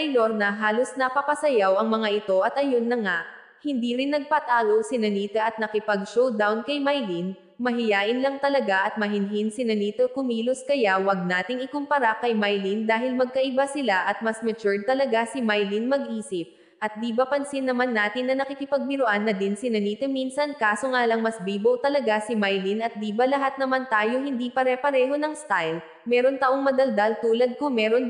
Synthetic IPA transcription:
ɐjloɾnɐɦaːlosnɐpɐpɐsɐjawɐŋmɐŋaʔɪt̪o̞ʔɐt̪ʔɐjonːɐŋaʔ | hɪnd̪iɾɪnːɐɡ̚pat̪aːɡowsɪnɐniːt̪ɐʔɐt̪̚nɐkɪpɐɡʃowd̪awnkɐjmajlin | mɐɦɪjaːʔɪnlɐŋt̪ɐlɐɡaʔɐt̪̚mɐɦɪnɦinsɪnɐniːt̪okʊmiːlʊskɐjawɐɡ̚naːt̪ɪŋɪkʊmpɐɾakɐjmajlind̪aːɦɪlmɐɡ̚kɐʔɪbasɪlaʔɐt̪̚mɐsmɛt͡ʃʊɹd̪̚t̪ɐlɐɡasɪmajlinmɐɡʔiːsɪp̚ | ʔɐt̪̚d̪ibapɐnsɪnːɐmanːaːt̪ɪnːɐnɐkɪkɪpɐɡ̚mɪɾʊʔanːɐd̪insɪnɐniːt̪ominsɐnkaːso̞ŋaːlɐŋmɐsbiːbowt̪ɐlɐɡasɪmajlinɐt̪̚d̪iːbɐlɐɦat̪̚nɐmant̪aːjohɪnd̪ipɐɾɛpɐɾɛːɦo̞nɐŋst̪ajl | mɛːɾo̞nt̪ɐʔoŋmɐd̪ɐld̪alt̪uːlɐd̪̚kʊŋmɛːɾo̞n

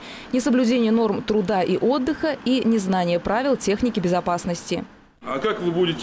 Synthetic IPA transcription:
nʲɪsəblʲʉd͡zʲenʲɪjəno̞rmt̪ɾʊd̪aʔiʔod̪ːɨxəinʲɪznanʲɪjəpɾavʲɪlˠtʲe̞xnʲɪkʲɪbʲɪzapasnəsʲtʲɪ | ɐkakvɨbudʲɪtʲ

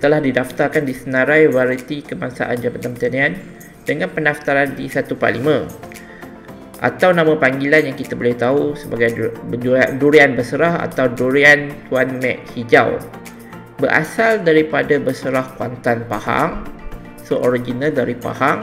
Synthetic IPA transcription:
t̪əlahdidaft̪arkandisənãɾajwaɾit̪ikəmaŋsa̰ʔand͡ʒamat̪ampət̪anian | dəŋanpənaft̪aɾandisat̪upa̰limə̃ | ʔa̰t̪awnãmãpaŋɡilanjaŋkit̪abolɪht̪ausəbaɡaj | duɾianbəsəɾaha̰t̪awduɾiant̪uanmɛ̃ʔhid͡ʒa̰w | bəɾʔa̰saldaɾipadabəsəɾahkwa̰nt̪anpaha̰ŋ | soʔoɾid͡ʒinaldaɾipa̰haŋ

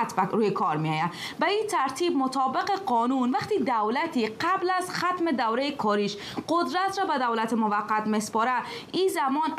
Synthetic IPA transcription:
t̪baɾujekʰɒɾmijɒja | bæit̪ʰaɾt̪ʰibmʊt̪ʰɒːbɪqeqɔnunvaqt̪id̪awlat̪iqablazxat̪med̪awɾejekʰɒɾiʃ | qʊd̪ɾat̪ɾɔbad̪awlat̪emʊvaqːat̪mespɔɾa | izamɔn

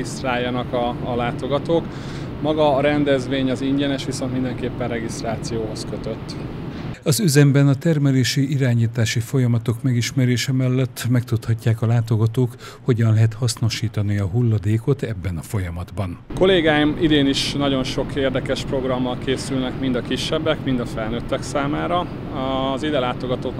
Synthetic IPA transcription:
ist̪raːjːɒnɒkɒːlaːt̪o̞ɡɒt̪oːk | mɒɡɒːɾɛnd̪ɛzʋeːɲɒziɲɟɛnɛʃʋiso̞nt̪mind̪ɛŋkeːpːɛnrɛɡist̪raːt̪sijoːɦo̞skøt̪øt̪ː | ɒzyzɛmbɛnɒt̪ɛrmɛleːʃiʔiɾaːɲiːt̪aːʃifo̞jɒmɒt̪o̞kmɛɡiʃmɛɾeːʃɛmɛlːɛt̪ːmɛkt̪ut̪hɒcːaːkɒlaːt̪o̞ɡɒt̪oːk | ho̞ɟɒnlɛɦɛt̪hɒsno̞ʃiːt̪ɒniɒɦulːɒd̪eːko̞t̪ɛbːɛnɒfo̞jɒmɒd̪bɒnko̞leːɡaːjimid̪eːniʃnɒɟo̞nʃo̞keːrd̪ɛkɛʃpro̞ɡrɒmːɒlkeːsylnɛkmind̪ɒkiʃːɛbːɛkmind̪ɒfɛlnøt̪ːɛksaːmaːɾɒ | ɒzid̪ɛlaːt̪o̞ɡɒt̪ot̪

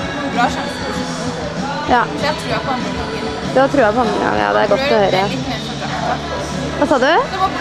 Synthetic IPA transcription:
jɑː | d̪ɛt̪ʰɾuːjæpʰɔmɑŋːə̰ŋɡɑ̰ŋːjɑ̰ːd̪ɛæɾɡɔt̪ːɔhœʏɾəhæɾ | ʋɑːsɑːd̪ʉ

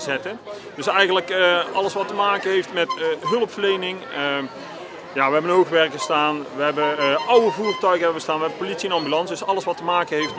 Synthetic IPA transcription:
zɛtə | d̥ɵsɛjɣənləkəɑlˠəsʋɑtəmaːkənɦejftmɛtɦɵlˠəpfərlejnɪŋ | jaːʋəɦɛbənɦowχʋɛrkəstaːnʋəɦɛbəʔʌwəvuːrtœɥɣəɛbəbəstaːnʋəɦɛbəpolitsiɛnɑmbylɑnsdɵsɑlˠəsʋɑtəmaːkənɦejft

